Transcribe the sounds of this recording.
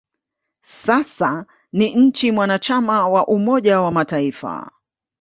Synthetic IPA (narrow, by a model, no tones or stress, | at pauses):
sasa | niɲ̩t͡ʃimwanat͡ʃamawaʔumɔʄawamataifa̰